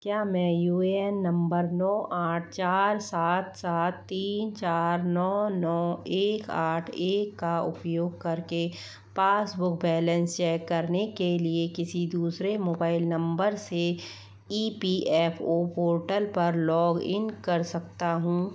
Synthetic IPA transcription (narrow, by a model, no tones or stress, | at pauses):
kjaːmɛ̃ːjuːɛnːɐ̃mbəɾnɔːʔaːʈ̚ʰt͡ʃaːɾsaːt̪saːt̪ːiːnt͡ʃaːɾnɔːnɔːeːkaːʈʰeːkːaʊ̰pjoːɡkɐɾke | paːsbʊkbɛːlə̃nst͡ʃɛːkːɐɾnekeliekɪsid̪uːsɾemoːbaːɪlnɐ̃mbəɾse | iːpiʔɛːpʰoːpoːɾʈəlpɐɾlɔːɡɪ̰̃nkɐɾsɐk̚t̪aɦũː